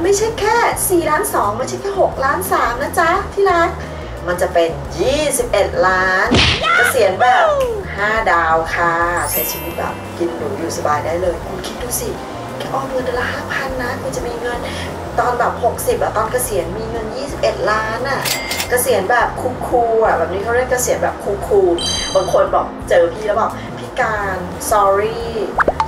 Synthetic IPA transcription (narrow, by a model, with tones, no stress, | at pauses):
ma˥˩jt͡ɕʰa˦˥˩jkʰɛː˥˩siː˨˩laː˦˥nsɔː˩˦ŋma˧˩jt͡ɕʰa˦˥˩kʰɛː˥˩ho˨˩k̚laː˦˥nsaː˨˩˦mnaː˦˥˩t͡ɕa˦˥t̪ʰiː˥˩ɾa˦˥k̚ | ma˧nt͡ɕa˨˩pe˧n | jiː˥˩si˨˩p̚ʔe˨˩t̪̚laː˦˥nka˧˩si˩˦ənbɛː˨˩p̚haː˥˩daː˧wkʰa˧˩si˨˩˦nsʰi˧wi˦˥t̪̚bɛ̰ː˨˩p̚ki˧nduː˨˦duː˧˩sa˧baː˧jdaː˥˩jlɤː˧jkʰu˧nkʰi˦˥t̪̚duː˧si˨˩˧ | ʔɔː˧˩ŋɤ˧ndɯ˧la˧˥haː˥˩pʰa˧˨nːa˦˥kʰu˧nt͡ɕa˨˩miː˧ŋɤ˧n | t̪ɔː˧nbɛː˨˩p̚ho˨˩k̚si˨˩p̚bɛː˨˩t̪ɔː˧nkʰa˧˩si˩˦nmiː˧ŋɤ˧njiː˥˩si˨˩p̚ʔe˨˩t̪̚laː˦˥nʔa˨˩ka˧˩si˨˩˦ənbɛː˨˩p̚kʰuː˧kʰuː˧a˨˩bɛː˨˩p̚niː˦˥kʰa˥˩˧ɾe˥˩˨nkʰa˧˩si˨˩˦ənbɛː˨˩p̚kʰuː˧kʰuː˧ba˨˦kʰo˧nbɔ̰ː˨˩k̚t͡ɕɤː˧pʰiː˧la˦bɔː˨˩p̚ | pʰi˦˥kaː˧n | sɔː˧ɾiː˥˩